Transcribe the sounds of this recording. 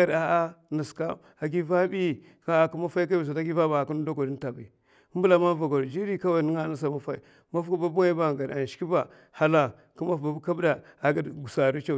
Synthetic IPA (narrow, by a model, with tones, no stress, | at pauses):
a˨ɾa˨a˦nə˨ska˦ | a˨ɡi˦va˦bi˦˨ | ka˦a˨ku˦ma˦fa˦i˦k̬a˦bi˨s̬a˨ta˦ɡi˦va˦ba˨a˨ku˦n˦do˦ɡo˨di˦n˦ta˨ba˨˦ | m˦bu˦la˨ma˦va˨ɡo˨ɾd͡ʒi˦ɾi˦ka˦wa˦i˨ni˦ŋa˦na˦sa˨ma˦fa˦i˨ | ma˦fku˦ba˦bu˦ŋa˦i˦ba˨ŋɡa˨ɾa˨n˨ʃki˦ba˨ | ha˦la˨ | ku˦ma˦fba˨bu˦ka˦bda˨a˨ɡa˦dɡu˨sa˨ɾu˦t͡ʃa˦